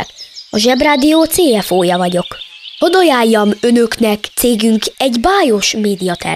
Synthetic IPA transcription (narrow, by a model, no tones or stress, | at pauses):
ɒʒɛbraːd̪ijoːt̪seːɛfoːjɒvɒɟo̞k | hod̪o̞jaːjːɒmø̞nø̞knɛkt̪seːɡyŋkɛɟbaːjo̞ʃmeːd̪ijɒt̪ɛ̰